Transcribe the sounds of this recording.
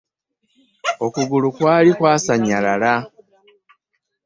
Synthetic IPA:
o̞kuɡulukwaːlikwaːsaɲalala

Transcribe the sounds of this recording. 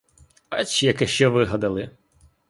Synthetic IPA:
ɐt͡ʃijɐkɛʃt͡ʃɛʋɪɦɐd̪ɐlˠɪ

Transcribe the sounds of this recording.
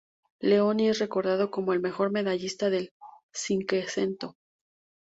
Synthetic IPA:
le̞o̞niesre̞ko̞ɾðað̞o̞ko̞moe̞lme̞xo̞ɾme̞ðaʝist̪aðe̞l | siŋkese̞nt̪o̞

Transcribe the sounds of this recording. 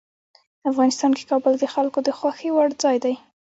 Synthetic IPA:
afɣɑnɪst̪ɑnke̥kɑbəld̪əxalkod̪əxwaxewaɽd͡zɑjd̪aj

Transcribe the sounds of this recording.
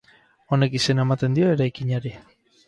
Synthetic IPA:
one̞kise̞naemat̪e̞nd̪io̞e̞ɾajkiɲaɾi

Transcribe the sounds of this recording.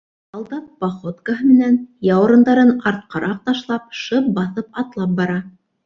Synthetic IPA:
ɑlˠd̪ɑp̚ːɑχot̪kaɦɤmɘ̆nænjɑwɤ̆ɾɤ̆nd̪ɑɾɤnɑɾt̪̚qɑɾʔɑq̚t̪ɑʃlˠɑp̚ʃɤp̚bɑθɤp̚ɑt̪lˠɑp̚bɑɾɑ

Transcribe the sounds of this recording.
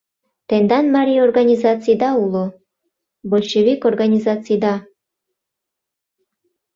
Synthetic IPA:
t̪end̪ɑnmɑɾʲiorɡanʲizɑt͡sɨjd̪ɑulˠo | bolʲʃeβikorɡanʲizɑt͡sɨjd̪ɑ

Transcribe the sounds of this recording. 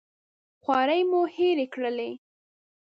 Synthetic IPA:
xwɑɾəjmuheɾekɽəle

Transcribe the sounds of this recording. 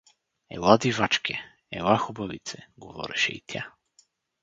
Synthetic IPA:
ɛ̰lˠad̪ivat͡ʃkʲʰɛ | ɛlˠaxʊbɐvit̪sɛɡovɔ̰ɾɛʃɛ̰ḭt̪ʲʰa

